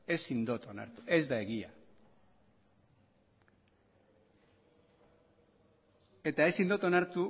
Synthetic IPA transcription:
e̞sind̪o̞t̪ona̰ɾt̪uʔe̞zd̪ae̞ɣia̰ | e̞t̪ae̞sind̪ot̪o̞naɾt̪u

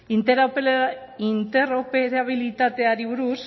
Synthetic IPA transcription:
int̪eɾape | int̪eropeɾaβ̞ilit̪at̪e̞aɾiβuɾus

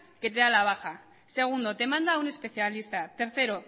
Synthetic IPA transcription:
ke̞t̪eðalaβ̞axa | se̞ɣ̞und̪o̞t̪e̞mãnd̪aune̞spe̞θjalist̪at̪e̞ɾθe̞ɾo̞

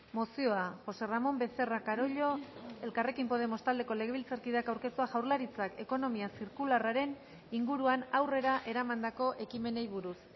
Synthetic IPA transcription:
mo̞sio̞axo̞se̞ramo̞mbe̞se̞rakaɾo̞ʎo̞e̞lkare̞kimpo̞ð̞e̞mo̞st̪ald̪e̞ko̞le̞ɣe̞β̞ilt͡saɾkiðakawɾke̞st̪uaʝawɾlaɾit͡sake̞ko̞no̞miasiɾkularaɾe̞n | iŋɡuɾuanawre̞ɾaʔe̞ɾamand̪ako̞ʔe̞kime̞nejβuɾus

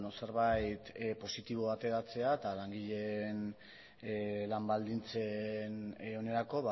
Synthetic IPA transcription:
nose̞ɾβajt̪po̞sit̪iβ̞o̞at̪e̞ɾat͡se̞aet̪alaŋɡiʎe̞n | lambald̪int͡seno̞ne̞ɾako̞βa

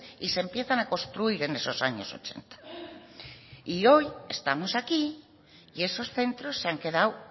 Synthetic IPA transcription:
isempjeθanakõnst̪ɾuiɾenesosaɲo̰so̰t͡ʃḛnt̪ḁ | iojest̪amosaki | iesosθe̞nt̪ɾosːeaŋkeðaw

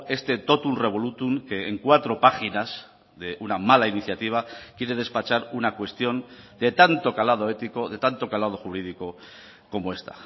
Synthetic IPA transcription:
e̞st̪e̞t̪o̞t̪unre̞β̞o̞lut̪uŋke̞ːŋkwat̪ɾo̞paxinas | ðe̞unamalainiθjat̪iβ̞akje̞ɾe̞ð̞e̞spat͡ʃaɾunakwe̞st̪jo̞nd̪e̞t̪ant̪o̞kalað̞o̞e̞t̪iko̞ðe̞t̪ant̪o̞kalað̞o̞xuβɾiðiko̞ | ko̞moe̞st̪a̰

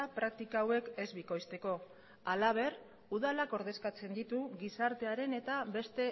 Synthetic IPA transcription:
apɾak̚t̪ikaːwe̞ke̞zβiko̞jst̪e̞ko̞ | alaβ̞e̞r | uð̞alako̞ɾðe̞skat͡se̞nd̪it̪uɣisaɾt̪e̞aɾe̞ne̞t̪aβe̞st̪e̞

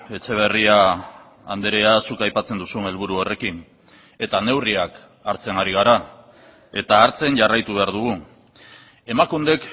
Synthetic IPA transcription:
e̞t͡ʃe̞β̞e̞riaː | nd̪eɾeasukajpat͡se̞nd̪usune̞lβ̞uɾuo̞re̞kin | e̞t̪ane̞wriak | aɾt͡se̞ŋaɾiɣ̞aɾa | e̞t̪aːɾt͡se̞nʝarajt̪uβe̞aɾðuɣ̞u | e̞makund̪e̞k

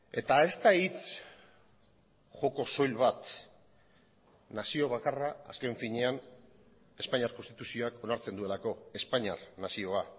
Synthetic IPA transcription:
e̞t̪ae̞st̪ait͡s | ʝo̞ko̞so̞jlβat̪ | nasio̞βakaraa̰ske̞ɱfiɲe̞an | e̞spaɲiaɾkonst̪it̪usio̞ako̞naɾt͡send̪ue̞lako̞e̞spaɲarnasio̞a

